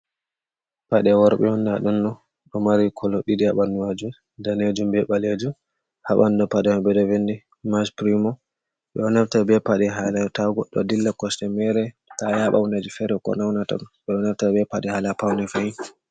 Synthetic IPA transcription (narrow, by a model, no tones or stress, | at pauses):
paɗɛwɔɾɓɛhɔndaɗunːɔ | ɗɔmaɾikʰɔlɔɗidiaɓanːuwad͡ʒu | daned͡ʒumbɛɓaled͡ʒu | haɓandɔpadɛmabɛdɔvendi | maspɾimɔ | ɓɛ̰ɔnaɾtabɛpaɗɛɦalataɡɔ̰ɗːɔ̰dilːakɔstɛmɛɾɛ | tajaɓa̰wnad͡ʒufɛɾɛkɔ̰nawnata̰ɗunɓɛɔnaɾtabɛpaɗɛhalapawnɛfajin